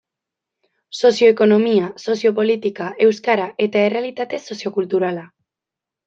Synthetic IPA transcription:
sosjoekonomiasosjopo̞lit̪ikaʔewskaɾaʔet̪aerealit̪at̪esosjokult̪uɾala

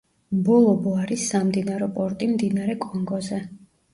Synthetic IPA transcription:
bɔlˠɔbɔaɾisːamd̪inaɾɔpʼɔɾt̪ʼimd̪inaɾɛkʼɔŋɡɔzɛ

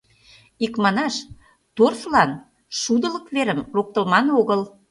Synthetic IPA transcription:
ikmɑnɑʃ | t̪orslɑn | ʃud̪ə̆lə̆kveɾəmrok̚t̪ə̆lmɑnoɣə̆l

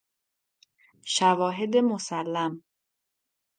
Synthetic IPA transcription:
ʃævɒːɦe̞d̪emosælːæm

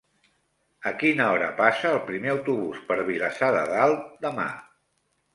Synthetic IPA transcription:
əkinəɔɾəpasəːlˠpɾimeəwt̪uβuspəɾβiləsaðə̰ðalˠd̪əma̰

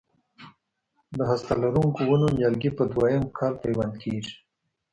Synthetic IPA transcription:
d̪əɦast̪alaɾuŋkowanonjɑlɡipəd̪wajəmkʰɑlpajwand̪kʰeʐi̥

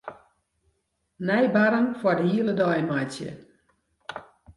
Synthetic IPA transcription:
nɛjbaɾənfwɔdəhiələdɔjmatjə̰

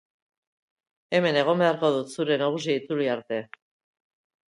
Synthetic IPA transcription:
e̞me̞ne̞ɣ̞o̞mbe̞aɾko̞ðut̪suɾe̞naɣ̞us̬iait͡suliaɾt̪e̞

